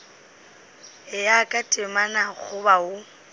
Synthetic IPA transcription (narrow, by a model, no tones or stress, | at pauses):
ɪjakʼatʼɪmanaɣʰʊbaʊ